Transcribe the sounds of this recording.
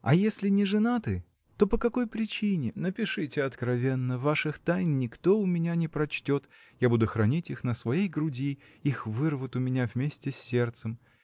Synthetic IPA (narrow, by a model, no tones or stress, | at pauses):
ɐ̰jesʲlʲɪnʲɪʐɨnat̪ɨ | t̪o̞pəkɐko̞jpɾʲɪt͡ɕinʲɪnəpʲɪʂɨtʲɪɐt̪kɾɐvʲenːəvaʂɨxt̪ajnʲːɪkt̪o̞ʊmʲɪnʲanʲɪpɾɐt͡ɕtʲo̞t̪ | jabud̪ʊxɾɐnʲitʲixnəsvɐjejɡɾʊdʲi | ixvɨrvət̪ʊmʲɪnʲavmʲesʲtʲɪsʲːe̞rt̪sɨm